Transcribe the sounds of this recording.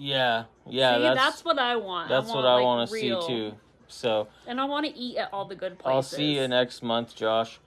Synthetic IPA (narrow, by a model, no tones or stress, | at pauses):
jæjæðætðætswʌɾaɪwɑ̃nðætswʌɾaɪwɑ̃nɨsilˠtʰʉ | soʊɨ̃naɪwɑ̃ñɨʔiɾɨɾɔlˠðɨɡʊd̚pʰlaɪlˠsiɨnɛksmʌ̃nθd̥ʒ̥ɑʃ